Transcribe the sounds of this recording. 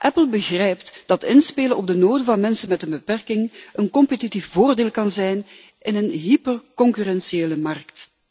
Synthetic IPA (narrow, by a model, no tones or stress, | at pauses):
ʔɛpəlˠbəɣrɛjptd̥ɑtɪnspeːlənʔɔb̚dənoːdəvɑnmɛnsənmɛtənbəpɛrkɪŋənkɔmpətitifvoːrdeːlˠkɑnzɛjn | ʔɪnənɦipərkɔŋkyrɛnsieːləmɑrkt